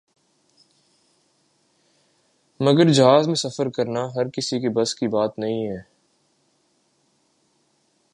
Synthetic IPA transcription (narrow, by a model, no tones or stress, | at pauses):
mɐɡəɾd͡ʒɐɦaːzmẽsɐfəɾkɐɾnaɦɐɾkɪsikebɐskibaːt̪nɐɦĩɦɛː